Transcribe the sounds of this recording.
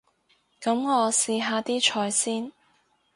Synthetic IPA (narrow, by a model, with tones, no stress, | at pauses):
kɐ˨˥mŋɔː˨˧siː˨˧ɦaː˧t̪iː˥t͡ʃʰɔː˨˧jsiː˥n